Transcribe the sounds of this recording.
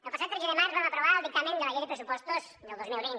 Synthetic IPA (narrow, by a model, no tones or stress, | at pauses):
elpasawt̪ɾeseðemaɾzβaŋapɾoβaɾlˠd̪ik̚t̪amẽnd̪emajejðepɾes̬upɔst̪osnelˠd̪ozmilˠβin